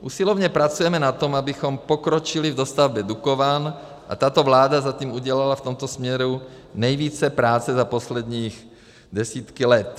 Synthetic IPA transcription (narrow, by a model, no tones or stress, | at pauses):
ʔusilɔʋɲɛpɾat͡sujɛmɛnat̪ɔmabixɔmpɔkɾɔt͡ʃilivd̪ɔst̪avbɛd̪ukɔʋaːn | ʔa̰t̪aːt̪ɔʋlaːd̪azat̪iːmuɟɛlalaft̪ɔmt̪ɔsmɲɛɾu | ɲɛjʋiːt͡sɛpɾaːt͡sɛzapɔslɛd̪ɲiːɣ | d̪ɛsiːt̪kilɛt̪